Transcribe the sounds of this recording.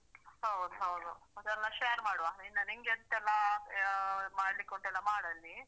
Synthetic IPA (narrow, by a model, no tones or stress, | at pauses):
hɐwd̪uɦɐwd̪uɐd̪ɛlːɐʃeːɐɾmaːɽʋaːinɐniŋɡent̪ɛlːa | maːɽlikːoɳʈɛlːamaːɽɐlːi